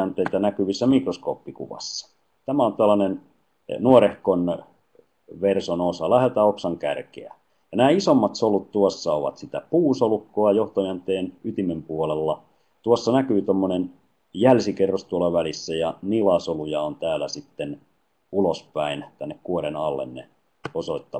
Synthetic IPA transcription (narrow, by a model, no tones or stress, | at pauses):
ænt̪eit̪ænækyʋisːæmikrosko̰ːpːikṵʋɑ̰sːɑ̥ | t̪æmæont̪oælːɑnen | nuoɾehkon | ʋersonosɑlæhet̪æoksɑŋkæ̰rkḛæ̰ | jɑnæːisomːɑt̪solut̪t̪uɑsːɑoʋɑ̰t̪sit̪æpuːsolukːoɑjoht̪oiænt̪eːnyt̪imempuolelːɑ | t̪uosːɑnækyːt̪omːonen | jælsikerːost̪uolːɑʋælisːæjɑnilɑsolujɑont̪æːlæsit̪ːen | ulospæint̪ænːekkuoɾenɑlːḛnːḛ | osoit̪ːɑ